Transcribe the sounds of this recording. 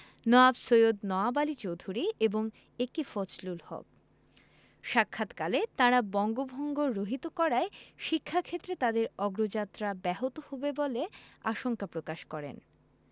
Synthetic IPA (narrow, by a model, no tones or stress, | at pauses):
nɔabsojod̪nɔabalit͡ɕowd̪ʱuɾieboŋ | ekifot͡ɕlulhɔ̰k̚ | ʃakʰːat̪kalet̪aɾabɔŋɡobʱoŋɡoɾoɦit̪okɔɾaeʃikʰːakʰet̪ːɾet̪ad̪eɾɔɡɾod͡ʑat̪ːɾabɛɦot̪ohobebolea̰ʃoŋkapɾokaʃkɔɾḛn